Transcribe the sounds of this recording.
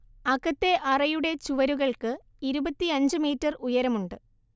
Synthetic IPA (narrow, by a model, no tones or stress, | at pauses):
ɐkːɐt̪ːe̞ʔɐrɐjuɽe̞t͡ɕuʋɐɾuɣɐɭkɨ | iɾubɐt̪ːiɐɲd͡ʑɨmiːtːɐrujɐɾɐmuɳɖɨ